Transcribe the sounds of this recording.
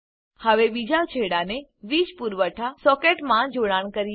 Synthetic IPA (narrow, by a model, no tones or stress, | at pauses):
həʋeʋid͡ʒaʋt͡ʃʰeɽaneʋiːʃpuɾʋəʈʰasɔːkeʈmãd͡ʒoɽ̃aːɽ̃kəɾi